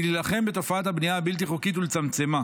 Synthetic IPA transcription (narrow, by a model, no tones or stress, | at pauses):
lilaχe̞mbe̞t̪o̞faat̪habnijahabilt̪̬iχokit̪̬ulet͡samt͡se̞ma